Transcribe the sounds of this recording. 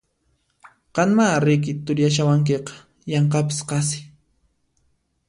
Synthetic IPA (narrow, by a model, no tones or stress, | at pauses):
qɑnmaɾɪk̬ɪt̪ʊɾjaʃawaŋk̬eqɑ̥ | jɑɴqɑpɪ̥sqɑs̬ɪ̥